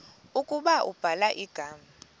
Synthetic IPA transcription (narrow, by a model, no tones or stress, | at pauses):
ukʼuɓaʔṵb̥ʱalaʔiɡ̥ʱaːma